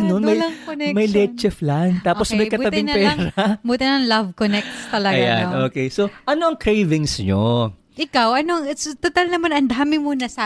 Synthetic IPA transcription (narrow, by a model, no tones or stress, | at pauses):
nonmɐjɐŋknɛmɐjlɛt͡ʃɛflant̪aːposmmɐjkɐtb̪ɐb̪ɪŋnpɛːŋɾɐbuːt̪ɪnɐŋlɐvkonɛk̚t̪st̪ɐlɐɡjanʔoːkejsoʔɐnoɐŋkɾejvɪŋsɲo | ʔɪkawʔɐnoɐŋt̪ʊt̪ɐlnɐmanɐnd̪aːmɪmuːnɐsɐ